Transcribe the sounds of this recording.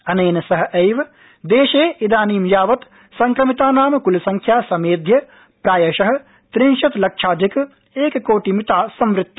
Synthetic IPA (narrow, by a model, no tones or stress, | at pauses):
ɐneːnɐsɐɦɐ̆ʔɐjʋɐ | d̪eːʃeːid̪aːniːmjaːʋɐt̪ | sɐŋkɾɐmit̪aːnaːmɐkulɐsɐŋkʰjaːsɐmeːd̪ʱjɐ | pɾaːjɐʃɐɦɐ̆ | t̪ɾiŋʃɐt̪lɐkʂaːd͡ʒ̪ɐk | eːkkoːʈimit̪aːsɐmʋɾɪt̪ːɐ